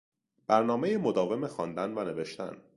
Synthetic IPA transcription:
b̥æɾnɒːme̞jemo̞d̪ɒːve̞mexɒ̰ːnd̪ænvæne̞ve̞ʃt̪æ̰n

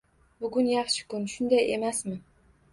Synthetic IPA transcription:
bʊɡʊnjɑχʃɪ̥kʊnʃʊnd̪ajemasmɪ

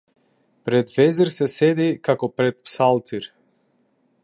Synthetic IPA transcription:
pɾɛd̪vɛzɛɾsɛsɛd̪ikakɔpɾɛt̪̚psalˠt̪iɾ

